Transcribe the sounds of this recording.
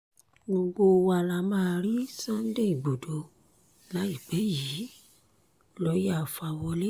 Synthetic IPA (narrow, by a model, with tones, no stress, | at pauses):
ɡ͡bo˧ɡ͡bo˧wa˧la˧mãː˦˧ɾi˦sã˦n˦de˦i˨ɡ͡bo˨do˨˦ | la˨˦i˦˨k͡pɛ˨˦ji˨˦ | lɔ˨˦ja˦˨fa˧wɔ˧le˦